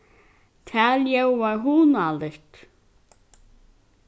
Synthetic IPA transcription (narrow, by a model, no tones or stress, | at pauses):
t̪ʰaːljɛwvaɹɦunalɪht̪